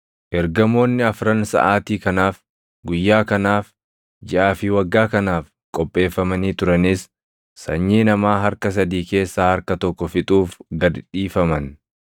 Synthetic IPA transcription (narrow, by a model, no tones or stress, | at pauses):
ʔɛɾɡɐmo̞ːnːɪɐfɾɐnsɐ̰ʔaːt̪iːkɐnaːf | ɡʊjːaːkɐnaːf | d͡ʒɪʔaːfɪwɐɡːaːkɐnaːf | kʼɔpʼːe̞ːfːɐmɐniːt̪ʊɾɐnɪsː | ɐɲːiːnɐmaːɦɐɾkɐs̬ɐd̪iːke̞ːsːaːhɐɾkɐt̪ɔkːɔfɪt̪ʼuːfɡɐdᶑiːfɐmɐn